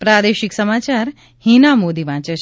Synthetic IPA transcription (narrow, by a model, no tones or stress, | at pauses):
pɾad̪eʃiksəmat͡ʃaɾ | hinamod̪iʋãːt͡ʃə